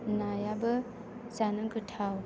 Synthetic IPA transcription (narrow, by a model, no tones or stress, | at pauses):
najabə | zanɯɡɯtʰaw